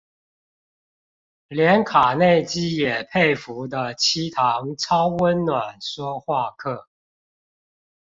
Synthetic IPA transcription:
ljɛ˨˦˥nkʰa˨˩ne˥˨ɪt͡ɕi˥jɛ˨˩pʰe˥˩ɪfu˧˥d̪ə˧t͡ɕʰi˥t̪ʰɑ˧˦ŋt͡sʰɑ˥ʊwə˦nnwa˨˩nʂwɔ˥xwa˥˧kʰɤ˥˩

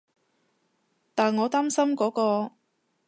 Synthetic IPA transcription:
t̪aː˨˩nŋɔː˨˧t̪aː˥msɐ˥mkɔː˨˥kɔː˧

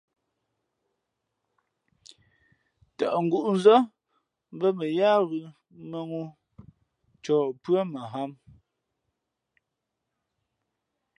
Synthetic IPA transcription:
ta˨ʔŋ̩˨ɡu˦˨ʔu˨˦n˦zɔ˦ | m˦bə˦mə˨jaː˦ɣʉ˨ | mə˦ŋu˦ | t͡ʃɔː˨pɰa˦ma˨ɦa˦m

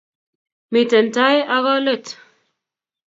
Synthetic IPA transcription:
mi˨te˨n˨ta˦ja˦ɣɔ˦le˦˨t

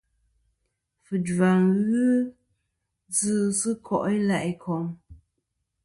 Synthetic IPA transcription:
fɨ˨da˨ŋɣʉ˦ | d͡zɨ˦sɨ˦kʰɔ˦˨ʔi˦la˨ʔi˨kʰɔ˨ŋ

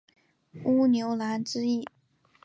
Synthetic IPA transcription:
u˥njo˧˥ʊla˧˥nʈ͡ʂɻ̩˥i˥˩

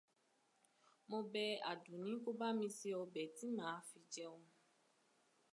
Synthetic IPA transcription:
mɔ̃˦bɛ˦a˨du˨nĩ˦ku˦ba˦mĩ˦si˦ɔ˧bɛ˨ti˦mã˨˦fi˨d͡ʒɛ˦wɔ˦

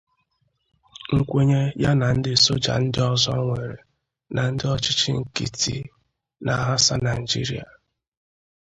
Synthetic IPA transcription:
ŋ̩˨kʷe˦ɲe˦ja˦na˨n̩˦dɪ˦so˦d͡ʒa̰˨n̩˦dɪ˦ɔ˦zɔ˦ŋʷe˨ɾe˨ | nʔa˨n̩˦dɪ˦ɔ˦t͡ʃɪ˦t͡ʃḭ˦ŋ̩˨kḭ˨ti˦ | nʔa˨ɦa˦sa˦na˨i˨d͡ʒi˦ɾḭ˨a̰˨

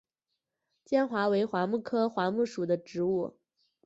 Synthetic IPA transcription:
t͡ɕjɛ˥nxwa˧˥we˧˥ɪxwa˧˥mu˥˩kʰɤ˥xwa˧˥mu˥˩ʂu˨˩d̪ə˦ʈ͡ʂɻ̩˧˥u˥˩

